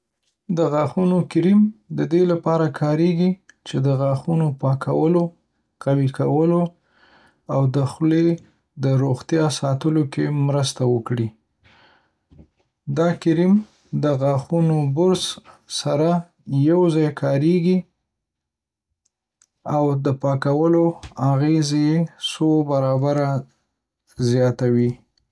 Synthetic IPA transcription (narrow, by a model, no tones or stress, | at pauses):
d̪əɣaxunokɪɾimd̪əd̪elapɑɾakʰɑɾeɡit͡ʃed̪əɣɑxunopɑka̰wəlo | qawikawəlo | awd̪əxle | d̪əɾoɣt̪jɑsɑt̪əlokemɾəst̪awəkɽi | d̪ɑkɪɾim | d̪əɣɑxunobʊɾzsaɾa | jawzɑjkʰɑɾeɡi | awd̪əpɑkawəloaɣezjesobaɾɑbaɾa | zjɑt̪awi